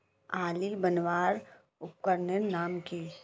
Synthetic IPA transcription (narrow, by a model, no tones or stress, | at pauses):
aːlibənʋaːɾ | ʊp̚kəɾnənaːmki